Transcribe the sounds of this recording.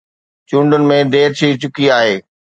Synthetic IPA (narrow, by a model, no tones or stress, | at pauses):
t͡ɕũːɳɖʊnɪ̆mẽd̪eːɾt͡ɕʰiːt͡ɕʊkiaːɦeː